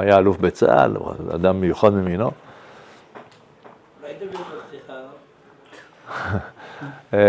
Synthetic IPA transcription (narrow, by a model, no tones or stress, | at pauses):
ajaalufbet͡sa̰a̰l̰a̰d̪ambejuxad̪memino | i